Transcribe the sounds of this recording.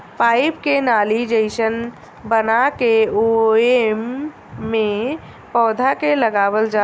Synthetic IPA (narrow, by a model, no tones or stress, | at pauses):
paɪpkenaːlid͡ʒəɪsən | bənakeoemː | ẽ | pɔːd̪ʱakeləɡaːwəld͡ʒa